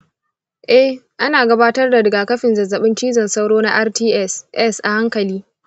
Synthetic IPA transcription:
ʔɛ˦h | ʔa˦naː˨ɡɐ˦baː˦tɐ˦rda˨dɐ˨ɡaː˨kɐ˦ɸɪ˨nzɐ˨zːɐ˨ɓɪ˦nt͡ʃiː˦zɐ˨nsa˦wɽoː˦na˦ʔa˦rtiː˦ʔɛ˦˨sʔɛ˦sʔa˨ha˦ŋkɐ˨liː˦

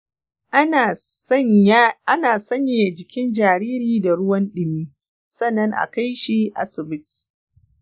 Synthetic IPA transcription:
ʔa˦naː˨sɐ˦ɲjɪ˦ja˨d͡ʒɪ˨kʲɪ˦nd͡ʒaː˨ɾiː˦ɾiː˦da˨ɽʊ˦wɐ˦nɗɪ˨miː˦ | sɐ˦˨nːɐ˦ŋʔa̰˨ka˦jʃi˦ʔa̰˦sɪ˨bɪ˦t

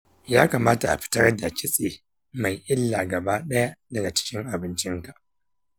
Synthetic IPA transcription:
jaː˦kaː˨maː˦ta˨ʔa̰˨ɸɪ̥˦tɐ˦rda˨kʲɪ˦sʼeː˨ | ma˨jʔɪ˦lːaː˨ɡɐ˨baː˦ɗɐ˦ja˦dɐ˨ɡa˨t͡ʃɪ̥˦kʲɪ˦ŋʔa˨bɪ˦nt͡ʃɪ˦ŋka˨ʔ

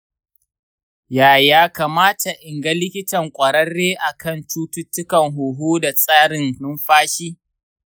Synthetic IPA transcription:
jaː˨jaː˦kaː˨maː˦ta˨ʔɪ˨ŋɡɐ˦lɪ˦kʲɪ˦tɐ˨ŋkʷʼɐ˨ɾɐ˦ɽːeː˦ʔa˨kʰɐ˦˨nt͡ʃuː˦tʊ˦tːʊ˦kɐ˨ŋɦuː˨ɦuː˦da˨sʼaː˦ɾɪ˨nnʊ˦mɸaː˦ʃiː˦

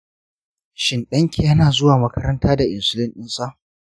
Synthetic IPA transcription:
ʃɪ˨nɗɐ˦ŋkʲʰe˨jɐ˦naː˨zʊ˦waː˨mɐ˦kɐ˦ɾɐ˦ntaː˦da˨ʔɪ˨nsʊ˦lɪ˦nɗɪ˦nsʼa˦ʔ

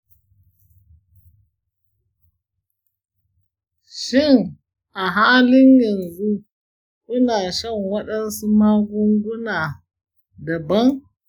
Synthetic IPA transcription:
ʃi˦˨n | ʔa˨ɦaː˦lɪ˦njɐ˨nzu˦ | ʔʊ˦na˨ʃɐ˦˨ŋwɐ˦ɗɐ˦nsu˦ma˦ɡʷu˦ŋɡʷu˦na˨ | da˨bɐ˦n

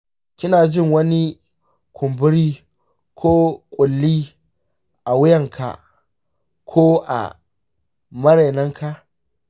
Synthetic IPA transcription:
kʲɪ˦naː˨d͡ʒɪ˦˨ŋwɐ˦ni˦ | kʷʰʊ˨mbɪ˦ɽiː˦ | kʰoː˦kʷʼʊ˨lːiː˦ | ʔa˨wʊ˦jɐ˨ŋkʰa̰˨ | kʷʰoː˦ʔa̰˨ | mɐ˦ɾe˨nɐ˦ŋkʰa˨ʔ

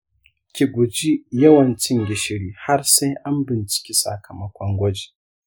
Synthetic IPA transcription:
kʲi˨ɡʷʊ˨d͡ʒi˦jɐ˦wɐ˨nt͡ʃɪ˦ŋɡʲɪ˨ʃɪ˨ɽiː˦ha˦rsa˦jʔa˦mbɪ˨nt͡ʃɪ̥˨kʲi˦sʼɐ̰˨kʰɐ˨mɐ˦kʷɔ˦ŋɡʷɐ˦d͡ʒi˨

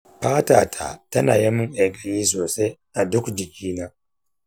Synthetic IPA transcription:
ɸaː˦taː˨tʰa̰˨tɐ˦na̰ː˨jɐ˦mːʊ˦ŋʔa˨ɡʼɐ˨jiː˦s̬oː˨se˦na˨dʊ˦kd͡ʒɪ˨kʲiː˦naː˦

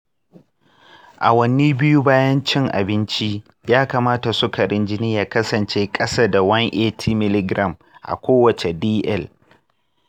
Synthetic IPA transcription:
ʔa̰˨wɐ˦ni˦bɪ˦ju˦baː˦jɐ˦nt͡ʃɪ˦ŋʔa̰˨bɪ˦nt͡ʃi˦ | jaː˦kaː˨maː˦ta˨sʊ˦ka˨ɽɪ˦nd͡ʒɪ˦nɪː˦ja˨kɐ˦sɐ˨nt͡ʃeː˦kʼɐ˦saː˦da˨wɐ˦ŋʔeː˦tʰiː˦mɪ˨lɪ˦ɡɾʔɐ˦˨m | ʔa̰˨kʷoː˦wɐ˨t͡ʃe˨diː˦ʔɛ˦˨l

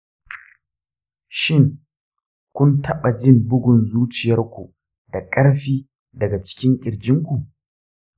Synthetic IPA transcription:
ʃɪ˦˨ŋ | kʷʊ˦ntʰɐ˦ɓa˨d͡ʒɪ˦˨mbʊ˦ɡʷʊ˨nzuː˦t͡ʃɪ˨jɐ˦rkʷu˨ | d̥a˨kʼɐ˦ɽɸiː˦ | dɐ˨ɡa˨t͡ʃɪ̥˦kʲɪ˦ŋkʲʼɪ˨ɾd͡ʒɪ˦ŋkʷu˨

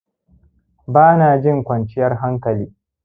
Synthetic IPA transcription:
baː˦naː˨d͡ʒɪ˦˨ŋkʷɐ˨nt͡ʃɪ˦jɐ˦rɦa˦ŋkɐ˨liː˦

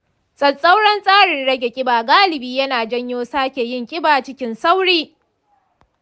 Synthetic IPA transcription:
sʼɐ˨nsʼa˦wɽɐ˦nsʼaː˦ɽɪ˨nɽɐ˦ɡʲe˨kʲʼɪ˦baː˨ɡaː˦lɪ˨biː˦jɐ˦naː˨d͡ʒɐ˦ɲjoː˦saː˦kʲe˨jɪ˦ŋkʲʼɪ˦baː˨t͡ʃɪ˦kʲɪ˦nsa˦wɽiː˦

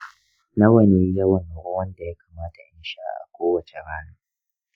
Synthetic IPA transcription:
na˦wɐ˨niː˦jɐ˦wɐ˨nːa˨ʔʊ˦wɐ˦nda˨ja˦kaː˨maː˦ta˨ʔɪ˦nʃaː˦ʔa̰˨kʷoː˦wɐ˨t͡ʃe˨ɾaː˦naː˦

